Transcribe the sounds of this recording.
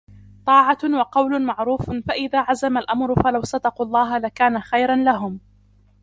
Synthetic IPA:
t̪ˤɑːʕawɑqɑwlʊmaʕɾuːffaʔɪðaːʕazamalʔamɾʊfalawsɑd̪ɑqulˤːɑːɦalakaːnaxajɾˤanlaɦʊm

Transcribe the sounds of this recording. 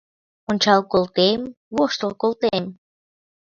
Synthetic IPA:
onʲt͡ɕɑlkolt̪em | woʃt̪əlkolt̪em

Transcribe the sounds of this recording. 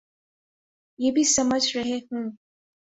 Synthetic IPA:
jeːbʱisɐməd͡ʒʱɾɐɦeɦũː

